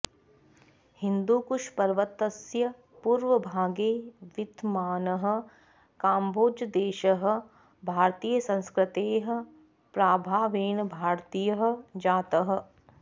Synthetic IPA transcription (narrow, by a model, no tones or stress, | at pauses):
hɪ̃nd̪uːkʊʃpɐɾʋət̪ːəsjɐ | puːɾʋəbʱaːɡeːʋɪt̪maːnɐɦə̆ | kaːmbʱoːd͡ʒəd̪eːʃəɦə̆ | bʱaːɾt̪iːjəsɐ̃nskɾɪt̪eːɦə̆ | pɾaːbʱaːʋeːnbʱaːɾt̪iːjəɦə̆d͡ʒaːt̪ɐɦə̆